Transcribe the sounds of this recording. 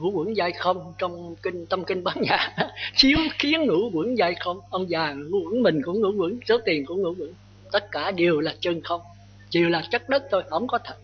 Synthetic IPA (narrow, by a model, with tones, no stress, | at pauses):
ŋɨ̰˧˥kwḭ˧˥ŋzaː˧jxə˧wŋ͡mt͡ɕɔ˧wŋ͡mki˧ŋ̟t̪ə˧mkï˧ŋ̟ɓaː˨˦nɲaː˨˩t͡ɕi˨˦əwxi˨˦ənŋɨ̰˧˥kwḭ˧˥ənzaː˧jxə˧wŋ͡mʔə˧wŋ͡mzaː˨˩ŋɨ̰˧˥kwi˧˥əŋmï˨˩ŋ̟kʊ̰˧˥ŋɨ̰˧˥kwɨ̰˧˥ŋzə˨˦wt̪i˨˩ənkṵ˧˥əŋɨ̰˧˥wɨ̰˧˥˦ŋ | t̪ə˦˥t̚kaː˧˩ɗi˨˩əwlaː˨˩t͡ɕəː˧nxə˧wŋ͡m | t͡ɕi˨˩əwlaː˨˩t͡ɕə˦˥t̚ɗə˦˥t̚t̪ʰo˧jhə˧˦wŋ͡mkɔ˨˦t̪ʰə˨˩t̚